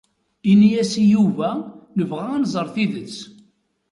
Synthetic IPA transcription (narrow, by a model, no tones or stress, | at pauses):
inijæsijuvænəvʁæænzˤəɾˤθiðət͡sː